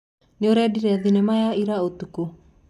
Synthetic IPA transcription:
nioɾɛdiɾɛaðinɛmajaiɾaot̪uko

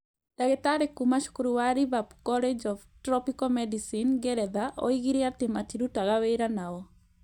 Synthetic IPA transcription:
d̥aɡɛt̪aɾɛkumaʃu̥kuɾuwaɾibabkɔlɛd͡ʒɔvtɾɔpikɔmɛdisinɡɛɾɛðaʔɔ̰iɡiɾiat̪ɪmatiɾutaɣawejɾanaɔ

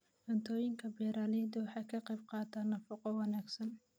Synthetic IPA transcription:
ʔɐnt̪ʰɔːjɪŋkʰɐbɛːɾaːlɛːd̪ʊwɑħɑːkʰɐqɑjb̚qɑːt̪ʰaːnːɐfɐqɔwɑnaːɡsɐn

